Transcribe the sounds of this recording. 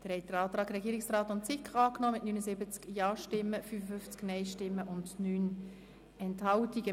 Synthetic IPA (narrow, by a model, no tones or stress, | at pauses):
d̥əɾhɛɪt̚d̥əɾɑːtɾɑːkɾɛɡiːɾɪiksraːtʊnt͡sɪkɑːknɔːmɪtnyːnəsɪbət͡skjɑːʃtɪmːəfyːfəfʏft͡sknɛɪʃtɪmːəʔʊndnyːn | ɛnthɑltiɡə